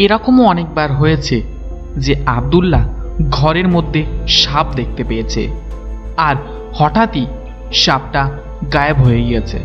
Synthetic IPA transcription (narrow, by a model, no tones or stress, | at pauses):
eɾɔkomoɔnek̚baɾɦojet͡ɕʰe | d͡ʑeab̚d̪ulːaɡʱɔɾeɾmod̪ʱːeʃap̚d̪ek̚ʰt̪epejet͡ɕʰḛ | aɾ | hɔʈat̪i | ʃab̚ʈa | ɡajebɦojeɡijet͡ɕʰḛ